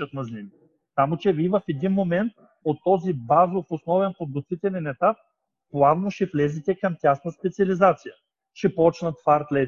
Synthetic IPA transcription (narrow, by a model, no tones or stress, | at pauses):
ət̪nɐzlʲimi | samot͡ʃɛvivəfɛd̪inmomɛnt̪̚ | ot̪ːɔzibazofosnɔvɛnpod̪ot̪vit̪ɛlʲɛnɛt̪ap̚ː | lˠavnoʃɛflɛzit̪ɛkɐmt̪ʲasnəspɛt̪siɐlizat̪sijə | ʃɛpɔt͡ʃnət̪faɾt̪lɛ